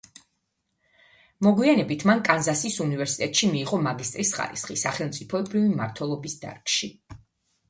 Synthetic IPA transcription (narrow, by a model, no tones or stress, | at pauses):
mɔɡwianɛbit̪ʰmankʼanzasisunivɛɾsi̥t̪ʼɛt̪ʼʃimiːʁɔmaɡist̪ʼɾisχa̰ɾḭsχisaχɛlˠmt̪sʼipʰɔɛbɾivimaɾt̪ʰwɛlˠɔbisd̪a̰ɾkʃi